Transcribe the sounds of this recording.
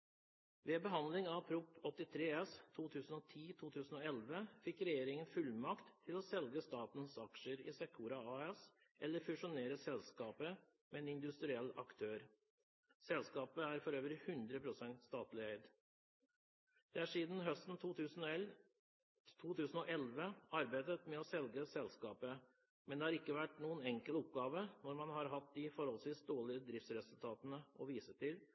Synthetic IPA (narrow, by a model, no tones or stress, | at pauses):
ʋeːbəɦɑnd̪lɪŋɑpʰɾuːpɔt̪ːɪt̪ʰɾeːɛst̪ʰuːt̪ʰʉːsn̩oːt̪ʰiːt̪ʰuːt̪ʰʉːsn̩oːɛlʋəfɪkːɾɛjeːɾɪŋənfʉlmɑkt̪ʰːɪlɔsɛlɡəst̪ɑːt̪n̩sɑkʂəɾɪ̰sɛkʰuːɾɑɑɛs | ɛlːəɾfʉʂʊneːɾəsɛlskɑːpə | mɛɛnɪnd̪ʉst̪ɾɪɛlːɑ̰kt̪ʰøːɾ | sɛlskɑːpəæɾfɔɾøːʋəɾhʉnd̪ɾəpʰɾʊsɛnt̪st̪ɑːt̪lɪeɪd̪ | d̪̥ɛæʂiːd̪n̩ɦœst̪n̩ʉsn̩ | t̪ʰuːt̪ʰʉːsn̩ɔʔɛlʋəɑɾbæɪd̪ət̪mɛɔsɛlɡəsɛlskɑːpə | mɛnd̪ɛːhɑɾɪkːəʋæʈːnuːənɛŋkəlɔp̚ɡɑːʋənɔɾmɑnhɑɾɦɑt̪̚d̪ɪfɔɾhɔlsʋiːsd̪oːɭɪəd̪ɾɪft̪sɾɛsʉlt̪ʰɑːt̪ənəɔʋiːsət̪ɪl